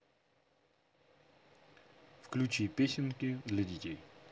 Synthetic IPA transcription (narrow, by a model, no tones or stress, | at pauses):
fklʲut͡ɕipʲesʲɪnkʲɪd̪lʲɐdʲɪtʲej